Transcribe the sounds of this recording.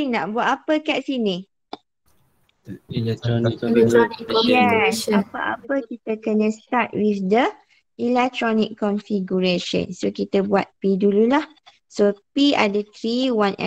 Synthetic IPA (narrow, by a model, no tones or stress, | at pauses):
iŋnãʔbuat̪apəkɛʔsinĩ | jɛsapəʔa̰pəkit̪əkənə̃st̪at̚wifd̪ə | ʔilɛk̚t̪ɾɔnikːɔnfiɡuɹeʃə̰̃nsokit̪əbuat̪̚pidululah | sopia̰dət̪ɾiwãnʔɛ̰̃